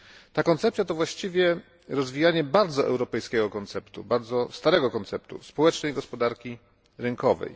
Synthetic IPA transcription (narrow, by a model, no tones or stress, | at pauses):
t̪akɔnt̪sɛp̚t̪sʲjat̪ɔvwaɕt͡ɕivʲjɛ | ɾɔzvʲijaɲɛbaɾd̪zɔʔɛ̰wɾɔpɛjskʲɛɡɔkɔnt̪sɛpt̪ṵbaɾd̪zɔst̪aɾɛɡɔkɔnt̪sɛpt̪ṵspɔwɛt͡ʂnɛjɡɔspɔd̪aɾkʲi | ɾɘŋkɔvɛ̰j